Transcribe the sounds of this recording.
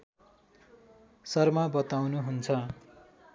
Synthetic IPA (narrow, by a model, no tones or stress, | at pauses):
sʌrmabʌt̪awnuɦunt͡sʰʌ